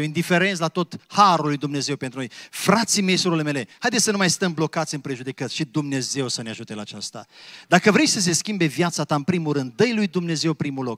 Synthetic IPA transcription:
oind̪ife̞ɾe̞nt̪lat̪o̞t̪haɾulːujd̪umne̞ze̞wpe̞nt̪ɾuno̞jfɾat̪sime̞jsuɾleme̞le̞hajd̪esʲsənumajst̪əmblo̞kat̪sʲɨnpɾe̞ʒud̪e̞kət̪sʃid̪umne̞ze̞wsəneaʒut̪e̞laːt͡ʃast̪a̰d̪akəvɾe̞t͡ʃʲsəs̬e̞skʲimbe̞vjat̪sat̪aɨnpɾimuɾɨnd̪̚ːəjlujd̪umne̞ze̞wpɾimulo̞k

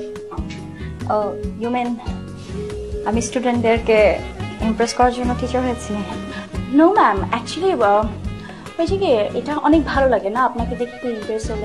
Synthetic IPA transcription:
ojumen | amisʈuɖeɳʈeɾkeimpɾeskɔɾaɾd͡ʑonːoʈʰit͡ɕoɦojet͡ɕʰi | nomɛmɛk̚t͡ɕuəli | hojt͡ɕʰekiḛjʈaʔɔnek̚bʱalolaɡenaapnaked̪ikt̪uimpesole

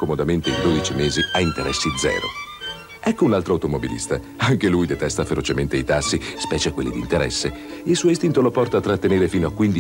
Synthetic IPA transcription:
komod̪ament̪eild̪oːd̪it͡ʃimeːziaint̪eɾɛsːid̪zɛ̰ːɾo̰ | ɛkːounalt̪ɾoawt̪omobilḭst̪a | aŋkelujd̪et̪ɛst̪afeɾot͡ʃement̪eit̪asːispɛːt͡ʃekwelːid̪ḭnt̪eɾɛ̰sːe | ilsuːoist̪int̪olopɔrt̪aːt̪ːɾat̪ːeneːɾefiːnoakːwind̪i

